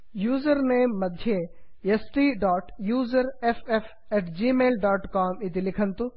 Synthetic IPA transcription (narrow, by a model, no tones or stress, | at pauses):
juːzəɾneːmːɐd̪ʱje | jesʈiɖaːʈjuːzəɾefef | ɛːʈd͡ʒiːmeːlɖaːʈkaːmɪt̪ilɪkʰənt̪u